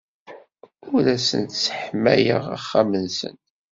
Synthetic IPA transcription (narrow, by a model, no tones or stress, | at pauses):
ʊɾæsə̰nt̪sə̥ħmæjə̰ʁæ̰χːamənsə̰n